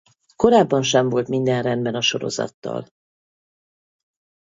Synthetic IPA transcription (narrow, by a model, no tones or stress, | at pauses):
ko̞ɾaːbːɒnʃɛɱvo̞lt̪mind̪ɛnrɛnd̪bɛnɒʃo̞ɾo̞̰zɒ̰t̪ːɒ̰l